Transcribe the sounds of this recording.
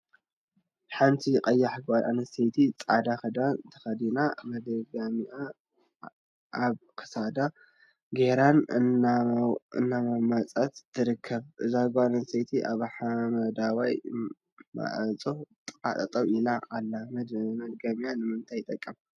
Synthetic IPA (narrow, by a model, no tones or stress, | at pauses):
ħant̪ʰiqʼɐjːaħɡʷad̪a̰nɐset̪ʰit͡sʼa̰d̪axɐd̪ant̪ʰɐ̥xɐd̪inamɐd̪ɐɡamia | aβkʰɨ̥sad̪a | ɡeɾan | ɨ̰nːamɐmat͡sʼat̪t̪ʰːɨɾɨkʰːɐβʔɨzahɡʷanɐnset̪ʰiʔaβħamɐd̪awaj | ma̰ʕɐt͡sʼot̪ʼa̰t̪ʼɐt̪ʼɐwinaʔalːamɐd̪ɡamijanɨmɨnt̪ʰajt̪ʼɐkʼːɐm